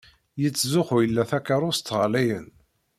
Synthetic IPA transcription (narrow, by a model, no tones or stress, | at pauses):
jət͡sːzʊχujəlːæθækːaɾˤʊɾst̪ːʁlæjən